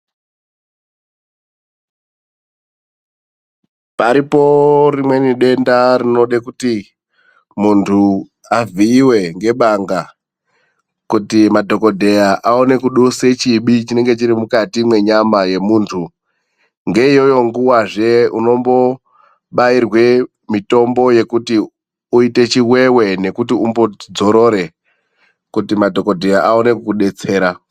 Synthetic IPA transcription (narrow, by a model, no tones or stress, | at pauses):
paɾipo̞rimwe̞niɗe̞ndarino̞ɗekuti | muntʰu | aviːwe̞ŋɡe̞ɓaŋɡa | kutimadʱo̞ko̞dʱe̞jaʔao̞ne̞kuɗuse̞t͡ʃiɓit͡ʃine̞ŋɡe̞t͡ʃiɾimukatimwe̞ɲamaje̞muːntʰu | ŋɡe̞ijo̞jo̞ŋɡuwaʐe̞ṵno̞mbo̞ | ɓairwe̞ | mito̞mbo̞je̞kuti | uite̞t͡ʃiwe̞we̞ne̞kutiumbo̞d͡zo̞ɾo̞ɾe̞ | kutimadʱo̞ko̞dʱe̞jaʔaone̞kukuɗe̞t͡se̞ːɾa